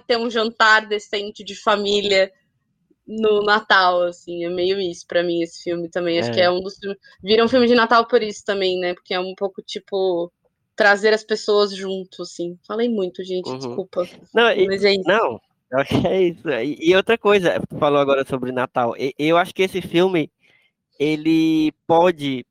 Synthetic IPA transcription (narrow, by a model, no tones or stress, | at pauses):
t̪ẽũʒɐ̃nt̪aɾd̪esẽnt͡ʃɪd͡ʒɪfamiliɐ | nʊnat̪awasĩɛmejʊisʊ̥pɾɐmĩesɪ̥fiwmɪt̪ɐ̃mbẽj̃aʃʊkɪɛũd̪ʊsfiwmɪ | viɾɐ̃ũfiwmɪd͡ʒɪnat̪awpoɾisʊ̥t̪ɐ̃mbẽj̃nɛpo̥ɾkeɛũpowkʊt͡ʃipʊ | t̪ɾazeɾɐspesoɐzʒũt̪ʊasĩfalejmũj̃t̪ʊʒẽnt͡ʃɪd͡ʒɪskupɐnɐ̃w̃imɐzɛinɐ̃w̃ | kakɪɛisʊiʔːowt̪ɾɐkojzɐufalowaɡɔɾɐsobɾɪnat̪awʔeʔewaʃʊ̥kɪesɪfiwmɪ | elɪpɔd͡ʒɪ